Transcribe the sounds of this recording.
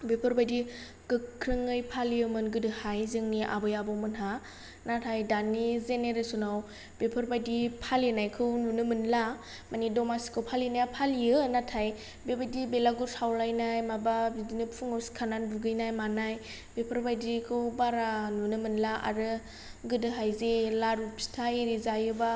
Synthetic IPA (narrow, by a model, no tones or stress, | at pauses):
bepʰɯɾbajdi | kɯɾɯŋɯjpʰaliɯmɯnɡɯdɯhajzɯŋniʔa̰bɯjabɔwmɯnɦa | natʰajdanːizeneɾesunaw | b̥epʰɯɾbajdipʰalinajkʰɯwnunɯmɯnla | manidɔmasi̥kʰɯwpʰalinajapʰalijɯnatʰaj | bebajdibelaɡuɾsʰawlajnajmababidinɯpʰuŋɯwsi̥kʰananbuɡɯjnajmanaj | b̥epʰɯɾbajdikʰɯwbaɾanunɯmɯnlaa̰ɾɯ | ɡɯdɯɦajzelaɾupʰi̥tʰajɾizajɯba